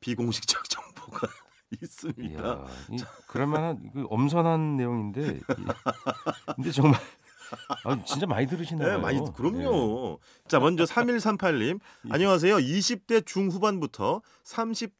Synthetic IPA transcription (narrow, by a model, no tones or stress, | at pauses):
piɡoŋɕʰi̥k̚t͡ɕ͈ʌk̚t͡ɕ͈ʌŋboɡa | is͈ɯmɲia̰ḭt͡ɕakɯɾʌmʌnankɯʔʌms̬ʰʌnɦanːe̞joŋinde̞ | kndet͡ɕʌŋmaɭ | at͡ɕnt͡ɕ͈amaɲidɯɾɯɕʰinaema̰ɲikɯɾʌmɲɲo | it͡ɕ͈amʌnd͡ʑʌsʰamiɭsʰampʰaʎːim | a̰ɲʌŋas̬ʰe̞joiɕʰip̚t͈e̞t͡ɕuŋɸubanbutʰʌ | sʰamɕʰip̚